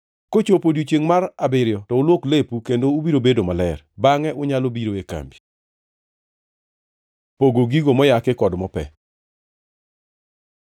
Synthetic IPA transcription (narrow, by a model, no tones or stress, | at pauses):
kot͡ʃopodot͡ʃeŋmaɾabɪɾɪjɔtɔʊlwoklepukendoubiɾobedomalɛrbaŋɛʔʊɲalobiɾoeka̰mbi | poɡoɡiɡomɔjakɪkɔdmɔpɛ̰